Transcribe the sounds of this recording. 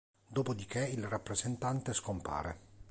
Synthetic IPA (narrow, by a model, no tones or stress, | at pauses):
d̪oːpod̪ikeilrapːɾezent̪ant̪eskompa̰ːɾe